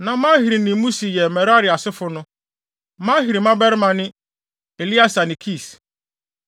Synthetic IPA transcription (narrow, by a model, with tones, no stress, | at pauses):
nã˨mãː˦hi˨ɾi˨nĩ˨˦mũ˦si˨jɛ˨mɛ̃˨ɾa˦ɾɪ˨a˨sɪ˦fʊ˦nʊ̃˦ | mã˦ɦi˨ɾi˨mã˦bɛ˦ɾɪ˦mã˨nɪ̃˦ | e˨li˦a˦sa˨nɪ̃˨kʰi˦˨s